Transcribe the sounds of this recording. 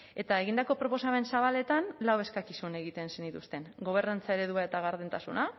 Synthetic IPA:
e̞t̪ae̞ɣind̪ako̞pɾopo̞same̞nsaβ̞ale̞t̪anlawe̞skakisune̞ɣit̪e̞nsenit̪ust̪e̞nɡo̞β̞e̞rnant͡sae̞ɾe̞ðuae̞t̪aɣaɾðent̪asuna

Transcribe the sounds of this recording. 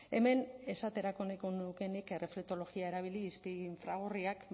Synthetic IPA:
e̞̰me̞ne̞sat̪e̞ɾako̞nekonuke̞nike̞refɾet̪o̞lo̞ɣiaeɾaβ̞iliːspiɱfɾaɣ̞oriak

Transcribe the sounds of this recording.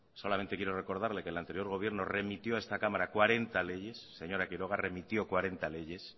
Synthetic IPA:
so̞lamẽ̞nt̪ekjeɾo̞re̞ko̞ɾð̞aɾle̞kelant̪e̞ɾjo̞ɾɣ̞o̞β̞je̞ɾno̞re̞mit̪jo̞aest̪akamaɾakwaɾe̞nt̪ale̞ʝe̞sːe̞ɲo̞ɾakiɾo̞ɣ̞are̞mit̪jo̞kwaɾe̞nt̪ale̞ʝe̞s

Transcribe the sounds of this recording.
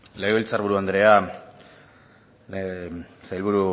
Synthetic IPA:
leɣilt͡sarβuɾuand̪ɾe̞a | sajlβuɾu

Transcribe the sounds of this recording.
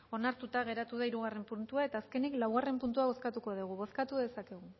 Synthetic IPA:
o̞naɾt̪ut̪aɣ̞e̞ɾat̪uðaiɾuɣ̞are̞mpunt̪uae̞t̪aːske̞niklawɣare̞mpunt̪uaβo̞skat̪uko̞ð̞uɣ̞uβo̞skat̪uðe̞sake̞ɣ̞u

